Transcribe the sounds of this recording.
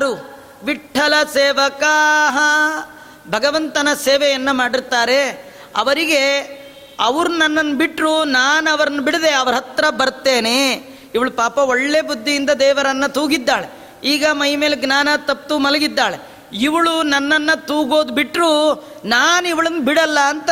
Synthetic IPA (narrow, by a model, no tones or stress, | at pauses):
ɾu | ʋiʈʰːɐlɐseːʋɐkaɦɐ | bʱɐɡɐʋɐnt̪ɐnɐseːʋɛjɐnːɐmaːɽiɾt̪ːaːɾe̞ | ɐ̰ʋɐɾiɡe̞ | ɐʋɐɾunɐnːɐnːɐbiʈɾunaːnɐʋɐɾɐnːɐbiɽid̪eɐʋɐɾɐɦɐt̪ɾɐbɐɾt̪ːeːne | iʋɐɭupaːpɐoɭːebud̪ʱːijind̪ɐd̪ɛːʋɐɾɐnːɐt̪uːɡid̪ːaːɭḛ | iːɡɐmɐjimeːleɡnaːnɐt̪ɐp̚t̪umɐlɐɡid̪ːaːɭe | iʋɐɭunɐnːɐnːɐt̪uːɡo̞ːd̪ubiʈɾu | naːniʋɐɭɐnːubiɽɐlːɐːnt̪ɐ